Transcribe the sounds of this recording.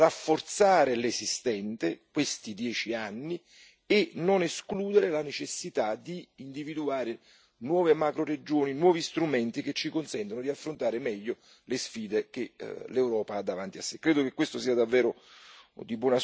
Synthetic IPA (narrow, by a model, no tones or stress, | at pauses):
rafːort̪saːɾɪlesist̪ɛnt̪ekwest̪id̪jɛːt͡ʃianːi | enːoneskluːd̪eɾelanet͡ʃesːit̪ad̪iːnd̪ivid̪uaːɾe | nwɔːvemakɾored͡ʒoːninwɔːvist̪ɾumɛnt̪iket͡ʃːikonsɛnt̪onod̪iafːɾont̪aːɾemɛʎːo | lesfiːd̪ek̟elewɾɔːpaad̪ːavant̪iasːekːɾeːd̪okekːwest̪osiːad̪avːɛːɾo | d̪ibwɔnas